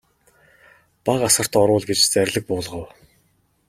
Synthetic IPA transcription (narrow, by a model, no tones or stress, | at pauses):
paɢasə̆r̥t̪ɔɾʊːɮɡet͡ɕt͡sæɾʲɮɘ̆k̚pʊːɮʁə̆w